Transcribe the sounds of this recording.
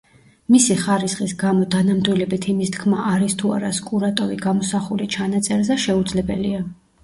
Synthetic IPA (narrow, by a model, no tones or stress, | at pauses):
misiχaɾisχʼisɡamɔd̪anamd̪wilɛbit̪ʰimist̪ʰkʰmaʔaɾist̪ʰua̰ɾaskʼuɾat̪ʼɔviɡamɔsaχulit͡ʃʰanat̪sʼɛɾzɛʃɛud̪zlɛbɛ̰lia